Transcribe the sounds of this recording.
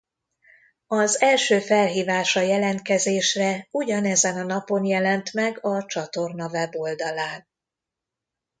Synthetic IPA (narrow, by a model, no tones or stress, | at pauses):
ɒzɛlʃøːfɛlɦiːvaːʃɒjɛlɛnt̪̚kɛzeːʃrɛuɟɒnɛzɛnɒnɒpo̞njɛlɛnt̪mɛɡɒt͡ʃɒt̪o̞rnɒvɛbo̞ld̪ɒlaːn